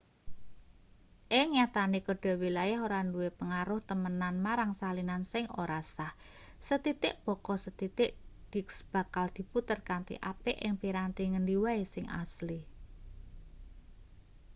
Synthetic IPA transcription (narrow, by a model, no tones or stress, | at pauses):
ʔɪŋɲat̪anikəɖ̥a̤wilajaɦoɾanduwepəŋaɾʊht̪əmənanmaɾaŋsalinansɪŋo̰ɾasah | sət̪it̪ɪʔb̥ɔ̤kɔsət̪it̪ɪʔd̥iksb̥a̤kald̪̥i̤put̪ərkant̪ḭʔapɪʔɪŋpiɾant̪iŋəndiwaesɪŋʔa̰sli